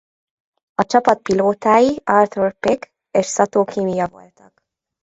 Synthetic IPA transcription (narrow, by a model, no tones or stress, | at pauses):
ɒt͡ʃɒpɒt̪̚piloːt̪aːjiɒrt̪urpek | eːʃsɒt̪oːkiːmijɒvo̞̰lt̪ɒk